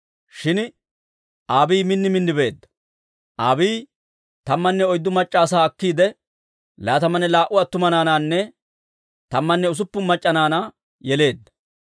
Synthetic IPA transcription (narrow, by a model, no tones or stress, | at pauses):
ʃɪn | ʔaːbiːmɪnːɪmɪnːɪbe̞ːd̪ːɐ̥ | ʔaːbiː | t̪ɐmːɐnːɛɔjd̪ːʊmɐt͡ʃʼːaːs̬aːɐkːiːd̪ɛ | laːt̪ɐmɐnɛlaːʔʊɐt̪ːʊmɐnaːnaːnːɛ | t̪ɐmːɐnːɛʊs̬ʊpːʊnmɐt͡ʃʼːɐnaːnaː | jɛle̞ːd̪ːɐ̥